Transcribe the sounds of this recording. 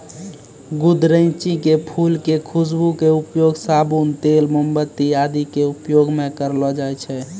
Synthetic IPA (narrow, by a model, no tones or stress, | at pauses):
ɡud̪ɾə̃ɪt͡ʃikepʰulkekʰusbukeupjoɡsabunt̪elməmbət̪ːiad̪ikeupjoɡmẽkəɾlɔd͡ʒajt͡ʃʰɛ